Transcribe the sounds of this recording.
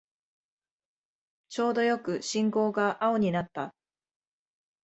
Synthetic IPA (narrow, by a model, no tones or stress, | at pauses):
t͡ɕo̞ːd̪o̞jo̞kɯ̟ɕĩŋko̞ːɡaʔao̞ɲ̟inat̪ːa